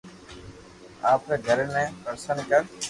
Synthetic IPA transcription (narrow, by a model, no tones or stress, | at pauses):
aːpeːɡʱəɾnẽːpəɾsənkəɾ